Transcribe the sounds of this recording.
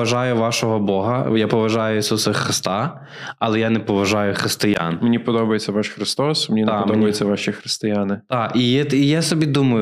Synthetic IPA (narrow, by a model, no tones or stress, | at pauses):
ɐʒɑjʊʋɑʃɔɦɔbɔɦɐjapɔʋɐʒɑjʊisusɐxɾɪst̪a | ɐlˠɛjanɛpɔʋɐʒɑjʊxɾɪst̪ɪja̰nmenʲipɔd̪ɔbɐjet͡sʲːɐʋɑʃxɾɪst̪ɔsmenʲinɐpd̪ɔbɐjɪt͡sʲːɐʋɑʃʲixɾɪst̪ɪjanɪt̪ɑijɛijasɔbʲid̪umɐjʊ